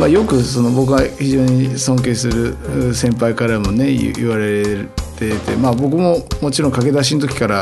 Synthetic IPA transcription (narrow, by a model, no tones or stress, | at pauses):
majo̞kɯ̟so̞no̞bo̞k̬ɯɡaçiʑo̞ːɲ̟isõ̞ŋk̬e̞ːsɨɾɯ̟sẽ̞mpaikaɾamo̞ne̞̰iβaɾe̞ɾt̪et̪e̞̰maːbo̞k̬ɯ̟mo̞mo̞t͡ɕiɾõ̞ŋkake̞d̪aɕ̬int̪̬o̞kʲi̥kaɾa